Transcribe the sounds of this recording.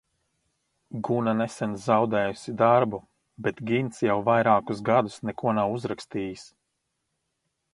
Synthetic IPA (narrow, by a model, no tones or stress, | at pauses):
ɡunanɛsɛnzawd̪ɛːjusid̪aɾbu | bet̪ɡʲint̪sjawvajɾaːkusɡad̪usnɛkuɔnawuzɾakst̪iːjis